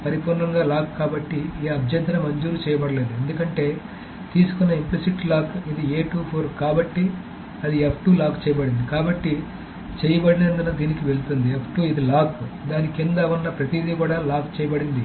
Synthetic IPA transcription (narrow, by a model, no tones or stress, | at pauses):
pɐɾipuːɾnɐŋɡaːlaːkkːaːbɐʈːieɐbʱjɐnt̪ɐɾɐmɐɲd͡ʒuːɾut͡ʃɛːjɐbɐɽɐle̞ːd̪ue̞nd̪ukɐɳʈe̞ː | t̪iːsu̥kunːɐimplisiʈlaːkid̪ieːʈuːpʰoːɾkaːbɐʈːi | ɐd̪iepʰʈuːlaːkt͡ʃɛːjɐbɐɽind̪ikaːbɐʈːi | t͡ʃɛːjɐbɐɽɐleːnd̪unɐd̪iːnikiʋe̞ɭut̪und̪iepʰʈuːid̪ilaːkud̪aːnikind̪aunːɐpɾɐt̪id̪ikuːɽaːlaːkt͡ʃɛːjɐbɐɽind̪i